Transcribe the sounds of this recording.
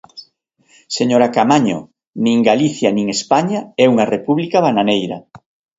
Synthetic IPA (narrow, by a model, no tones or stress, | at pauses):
seɲoɾakamaɲo̰ | nĩŋɡaliθjanĩŋespaɲaɛuŋarepuβlikaβananejɾɐ̰